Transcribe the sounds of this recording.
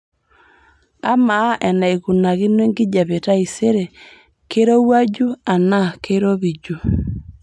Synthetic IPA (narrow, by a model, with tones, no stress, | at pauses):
a˦ma˨˦ʔɛ˨na˨e˨ɣu˨na˨ɣi˦nwe˦ŋɡi˦d͡ʒa˨βe˨ta˦i˨se˦ɾe˨ | ke˦ɾo˦wa˦d͡ʒu˦a˨na˦kʰe˦ɾo˦βi˨d͡ʒu˨